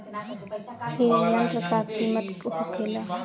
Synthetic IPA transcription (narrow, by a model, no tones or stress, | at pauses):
ejənt̪ɾəkakimət̪kohokʰela